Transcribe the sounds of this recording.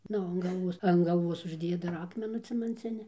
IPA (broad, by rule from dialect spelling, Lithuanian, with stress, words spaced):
ˈnʊ ɐn ɡɐlˠˈʋuɔs ɐn ɡɐlˠˈʋuɔs ʊʒʲˈdʲeːjɛ dɐr ˈɑːkmʲɛnuː t͡sʲɛmɐnʲˈt͡sʲɪnʲɪ